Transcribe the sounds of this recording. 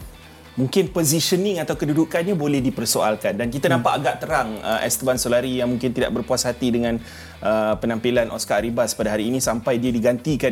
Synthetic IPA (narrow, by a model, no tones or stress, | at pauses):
muŋkɪnpoziʃəniŋat̪awkədudukanɲabolɛhdipərsoalkandankit̪anãmpaʔaɡaʔt̪əɾaŋə̰ʔɛ̰st̪əbansolaɾijaŋmuŋkɪnt̪ida̰ʔ̚bərpuasɦat̪idəŋãn | ʔəpənãmpilanʔɔ̰skaɾibaspadaɦaɾiːnĩsampajdiadiɡant̪ika